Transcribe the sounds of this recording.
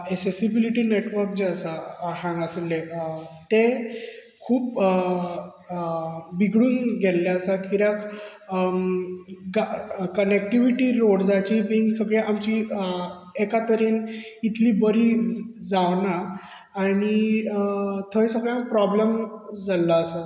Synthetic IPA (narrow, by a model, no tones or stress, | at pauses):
eksesibiliʈiːneʈʋəɾk̚d͡ʑeəsaɦãŋɡəsəlːet̪e | kʰuːp | biɡɽuːnɡelljaəsakʰiɾak | ɡakənek̚ʈiʋiʈiɾoɽd͡zat͡ɕimiŋɡsəɡɭeʔamt͡ɕi | ekat̪əɾiːnit̪ʰliːbəɾid͡zaʋnaː | ɽ̃i | t̪ʰəjsəɡɭjãpɾɔbləmd͡zalːaːsa